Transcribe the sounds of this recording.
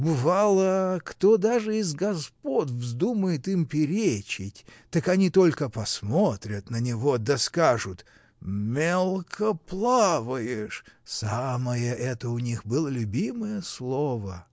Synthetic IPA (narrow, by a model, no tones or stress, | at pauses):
bɨvalˠəkt̪od̪aʐɨɪzɡɐspotʲvzd̪uməjɪt̪ɨmpʲɪɾʲet͡ɕɪtʲt̪əkɐnʲit̪o̞lʲkəpɐsmot̪ɾʲət̪nənʲɪvod̪ɐskaʐʊt̪ | mʲelˠkʰəplˠavəjɪʂsaməjəʔɛt̪əʊnʲixbɨlˠəlʲʊbʲiməjəslˠovə